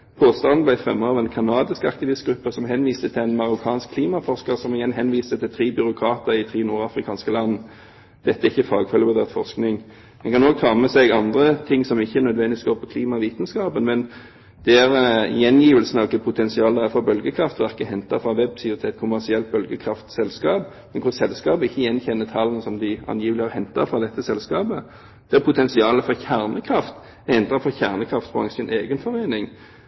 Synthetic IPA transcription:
pʰoːst̪ɑnn̩blæɪfʁɛ̰mːəɑːʋʁɛnkʰɑnɑːd̪ɪskɑ̰k̚t̪ɪʋɪst̪̚ɡɾʉpːəsɔmɦɛnʋiːst̪ət̪ʰɪlænmɑʁʊkʰɑːnskʰːliːmɑfɔʁskəʁsɔmɪjɛnɦɛnʋiːst̪ət̪ʰɪlt̪ʰʁiːbʏɾʊkʰɾɑːt̪əɪt̪ʰʁiːnuːɾɑfɾɪkʰɑːnskəlɑnː | d̪̥ɛt̪ːəæɪçːəfɑːɡfœləbɔd̪ɛːʁt̪fɔʁsknɪŋ | mɛnkɑnoːɡ̚t̪ʰɑːmɛsɛɡɑnd̪ʁət̪ʰɪŋːsɔmɪçːəænœd̪ʋɛnd̪ɪɪsɡoːʁpʰɔkʰliːmɑʋiːt̪n̩skɑːbənmɛn | d̪̥ɛæʁjɛnjiːʋəlsnɑkəpʰʊt̪ʰɛnsɪɑːld̪ææɾfɔɾbœlɡəkʰʁɾɑft̪ʋæʁkəhɛnt̪ɑfʁɑʋɛbsɪʊɾt̪ʰɛɛt̪̚kʰʊmæʁsɪɛlt̪̚bœlɡəkʰɾɑft̪sɛlskɑːb | mɛnkʰʊsɛlskɑːbəɪçːəjɛnçɛnːət̪ʰɑlːənəsɔmd̪ɪɑ̰njiːʋəlɪəɾhɛnt̪ɑfʁɑd̪ɛt̪ʰːəsɛlskɑːbə | d̪̥ɛæpʰʊt̪ʰɛnsɪɑːləfɔʁçæʁnəkʰɾɑft̪ | hɛnt̪ɑfɔçæʁnəkʰʁɑft̪bʁɑ̰ŋsɪnʔeːɡənfɔʁeːnɪŋ

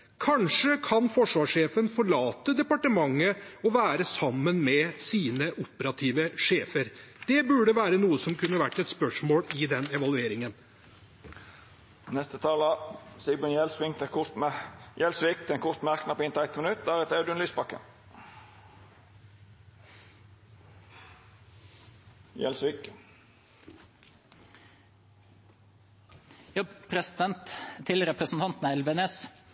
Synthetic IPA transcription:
kʰɑnʂəkʰɑnfɔʂʋɑːʂeːfənfɔɭɑːt̪əd̪ɛpɑʈəmɑŋːəɔʋæːɾəsɑmːənmɛsiːnəʔɔpəɾɑt̪ʰiːʋəʂeːfəɾd̪̥ɛbʉɖəʋæːɾənuːəsɔmkʉnːəʋæʈːɛt̪spœʂmoːlɪd̪ɛnɛʋɑlʉeːɾɪŋən | nɛst̪ət̪ʰɑːləsɪbɔnjɛlsʋɪŋt̪ɛ | jɛlsʋɪk̚t̪ʰɛnkʰʊʁt̪mæʁknɑpɔɪnt̪ʰæɪt̪mənʉt̪̚æːɾət̪æʉd̪ʉɛnlyːsbɑkːə̰ | jɛ̰lsʋɪk | jɑːpʰɾɛsɪd̪ɛnt̪t̪ʰːɪlɾɛpɾəsn̩t̪ɑnt̪n̩æɛlʋəneːs

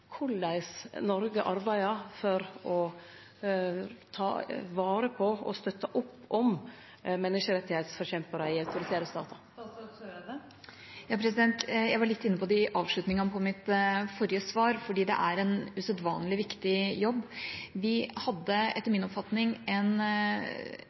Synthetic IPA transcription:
kʰʊlːæɪsnɔɾɡəʔɑɾbæɪɑfɔɾɔ | t̪ʰɑ̰ːʋɑːɾəpʰɔɔ̰st̪œt̪ːəʔʊpːɔm | mɛnːɪʂəɾɛt̪ːɪheɪt̪sfɔɾɕçɛmpəɾəɪɑʉt̪ʊɾɪt̪ʰeːɾəst̪ɑ̰ːt̪ə | jɑːpʰɾɛsɪd̪ɛnt̪jæɪʋɑɾɭɪt̪ːɪnːəpʰɔd̪ɪʔɑːʋʂɭʉt̪nɪŋɑpʰɔmɪt̪fɔɾɪjəsʋɑːɾfɔɖiːd̪ɛ̰ʔæɾɛnʉsœd̪ʋɑ̰ːnlɪʋɪkt̪ɪjɔbːʋɪhɑd̪ːəɛt̪ːəɾmɪnɔpfɑt̪nɪŋɛn

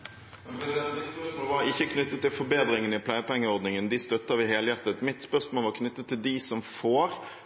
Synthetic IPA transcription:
olʋɑɾɪçːəkʰnʏt̪ːət̪ʰːɪlfɔɾbeːd̪ɾɪŋənəɪpʰlæɪəpɛŋːəɔɾd̪nɪŋənd̪ɪst̪œt̪ːɑʋɪɦeːləjɑɾt̪ət̪mɪt̪spœʁsmoːlʋɑʁkʰnʏt̪ːət̪ʰːɪld̪ɪsɔmfoːɾ

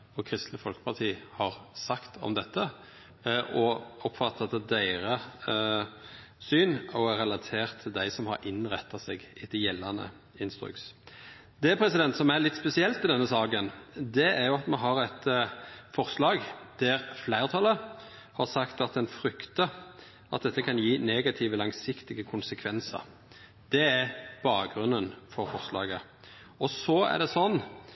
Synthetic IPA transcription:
ɔkʰɾɪst̪nəfɔlkəpʰɑʁt̪ʰiːhɑʁsɑkt̪ʰɔ̰md̪ɛt̪ːə | ʔɔɔpːfɑt̪ʰːɑt̪əd̪æɪɾə | syːnɔæɾʁɛlɑt̪ʰeːʁt̪ʰːɪld̪æɪsɔmhɑ̰ɾʔɪnʁɛt̪ʰːɑsɛɡɪt̪jɛlːɑnə̰ | ɪnst̪ɾʏ̰ks | d̪ɛpʰɾɛsɪd̪ɛnt̪sɔmæɾlɪt̪ːspɛsɪɛlt̪ɪld̪ɛnːəsɑːɡənd̪ɛæɾjʊɑt̪mɛnɦɑɾɛt̪fɔʁslɑːɡd̪̥æɾflæɪʁt̪ʰɑlə | hɑɾsɑkt̪ɑt̪̚d̪ɛnfɾʏkt̪ə | ɑt̪̚d̪ɛt̪ːəkʰɑnjiːneɡɑt̪ʰiʋəlɑŋsɪkt̪ɪɡəkʰʊnsəkʰʋɛnsə̰ɾ | d̪̥ɛæɾb̥ɑːk̚ɡɾʉnːənfɔɾfɔʁslɑ̰ːɡə | ɔsɔæ̰ʁɖ̪ɛsɔnː

